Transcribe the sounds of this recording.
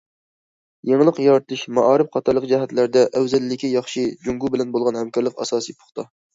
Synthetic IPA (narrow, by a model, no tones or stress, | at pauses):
jeŋlˠəqjɑɾt̪ʰɨʃmɑʔɑːɾɨp̚qʰɑt̪ʰɑɾlˠəq̚d͡ʒɛɦɛt̪læɾd̪ɛʔɛwzɛlːɪkʲijɑχʃid͡ʒuŋɡubɪlɛnbolˠʁɑnhɛmkɑɾlˠəqɑ̰sɑːsɨjpʰo̥χt̪ʰɑ